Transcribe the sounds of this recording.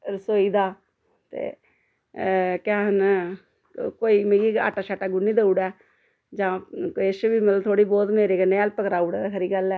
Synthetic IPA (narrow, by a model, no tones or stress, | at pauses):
ɾəsoːiːd̪aː | t̪ḛː | kɛːɦən | koːiːmẽːɡiːa̰ːʈaːt͡ʃʰaːʈaːɡʊnːiːd̪əuːɽɛː | d͡ʒãːesbiːmət̪lət̪ʰoːɽiːbɔːt̪meːɾeːkəneːɛːlpəkɾaːuːɽɛd̪aːkʰəɾiːɡəlɛː